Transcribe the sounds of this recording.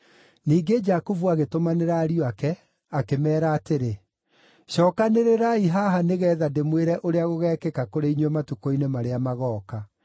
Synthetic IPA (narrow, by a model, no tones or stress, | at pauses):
niːɡed͡ʒakuvuaɣetomaneɾaːɾioakɛ | akemɛːɾaːteɾe | ɕɔːkaneɾeɾaiɦaɦaneɣɛːðademweɾɛʔoɾeaɣoɣɛːkɛkakoɾeiɲɔmatukoinemaɾeamaɣɔːka